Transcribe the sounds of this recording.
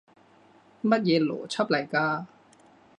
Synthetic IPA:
mɐ˥t̪̚jɛː˨˧lɔ̰ː˨˩t͡ɕʰɐ˥p̚lɐ˨˩jkaː˧

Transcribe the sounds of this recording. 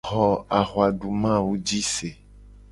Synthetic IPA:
xɔ˨a˨xwa˨ɖu˨mã˦˨wu˦d͡ʒi˦se˨

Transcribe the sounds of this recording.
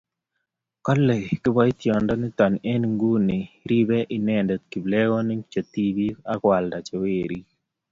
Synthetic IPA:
kɔ˦lɛ˨kɪ˦ba˦ɪ˦t̪jɔ˨ndɔ˦nɪ˦t̪ɔ˨nɛ˦nŋɡu˦nɪ˨ | ɾi˦be˦ʔɪ˨nɛ˦ndɛ˨t̪̚ki˨blɛ˦ɡɔ˦nɪ˦t͡ʃo˨t̪i˦bi˦a˦kwa˨lda˨t͡ʃe˨we˦˨ɾi˦

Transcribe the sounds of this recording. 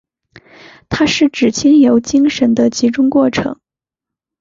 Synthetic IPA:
t̪ʰa˥ʂɻ̩˥˩ʈ͡ʂɻ̩˨˩t͡ɕʰi˥ŋjo˧˥ʊt͡ɕi˥ŋʂə˧˥nd̪ə˧t͡ɕi˧˥ʈ͡ʂʊ˥ŋkwɔ˥˩ʈ͡ʂʰɤ̰˧˥ŋ

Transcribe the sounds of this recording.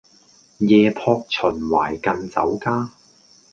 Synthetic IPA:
jɛː˨˧pʰɔː˧k̚t͡sʰɵ˨˩nwaː˨˩jkɐ˧nt͡sɐ̰˨˥wkaː˥

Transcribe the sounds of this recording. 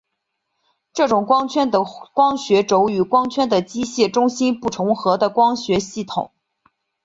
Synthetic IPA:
ʈ͡ʂɤ˥˩ʈ͡ʂʊ˨˩ŋkwɑ˥ŋt͡ɕʰɥɛ˥nd̪ə˨kwɑ˥ŋɕɥɛ˧˥ʈ͡ʂo˧˥ʊy˨˧˩kwɑ˥ŋt͡ɕʰɥɛ˥nd̪ə˨t͡ɕi˥ɕjɛ˥˩ʈ͡ʂʊ˥ŋɕi˥npu˥˩ʈ͡ʂʰʊ˧˥ŋxɤ˧˥d̪ə˧kwɑ˥ŋɕɥɛ˧˥ɕi˥˩t̪ʰʊ̰˨˩˦ŋ

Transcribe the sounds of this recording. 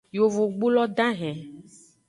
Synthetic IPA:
jo˨vo˨ɡ͡bu˦lɔ˦ɖ̪ã˦ɦɛ̃˨

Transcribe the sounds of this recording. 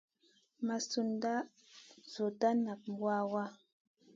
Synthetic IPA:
ma˨su˦nda˦ | zo˨ta˦na˨k̚m˨wa˦wa˦

